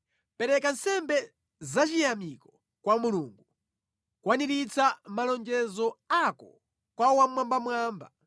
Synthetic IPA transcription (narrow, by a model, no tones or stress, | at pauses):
pɛɾɛkansɛmbɛ | zat͡ʃijamikɔ | kwamuluːŋɡu | kwaniɾit͡samalɔnd͡ʒɛzɔakɔ̰ | kwawamwambamwaːmba̰